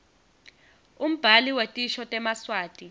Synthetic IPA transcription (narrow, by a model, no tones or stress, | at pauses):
um̩b̥ʱaliwetʼiʃɔtʼɛmaswaːtʼi